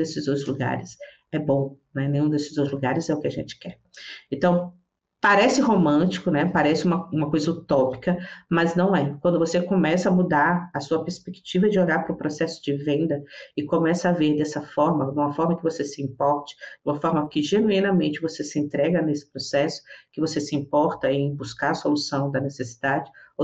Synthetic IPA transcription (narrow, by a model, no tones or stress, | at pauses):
d̪esɪzot̪ɾʊzluɡa̰ɾɪs | ɛbõnɛnẽj̃ũd̪esɪzot̪ɾʊzluɡaɾɪzɛʊkɪaʒẽnt͡ʃɪ̥kɛɾ | ẽnt̪ɐ̃w̃ | paɾɛsɪɦomɐ̃t͡ʃi̥kʊnɛpaɾɛsɪũmɐũmɐkojzɐut̪ɔpi̥kɐmɐznɐ̃w̃ɛkwɐ̃nd̪ʊvosekõmɛsɐmud̪aɾɐsuɐpeɾspekt͡ʃivɐd͡ʒɪoʎaɾpɾʊpɾosɛsʊ̥d͡ʒɪvẽnd̪ɐɪkomɛsɐaveɾd̪ɛsɐfɔɾmɐũmɐfɔɾmɐkɪvosesɪĩmpɔɾt͡ʃɪ̥d͡ʒũmɐfɔɾmɐkɪʒenuĩnɐmẽnt͡ʃɪvosesɪẽnt̪ɾɛɡɐnesɪ̥pɾosɛsʊ̥kɪvosesɪĩmpɔɾt̪ɐẽj̃buskaɾɐsolusɐ̃w̃d̪ɐnesesi̥d̪ad͡ʒɪ